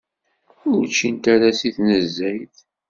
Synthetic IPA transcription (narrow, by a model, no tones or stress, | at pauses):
ʊɾt͡ʃːint̪aɾasiθnəzːæjθ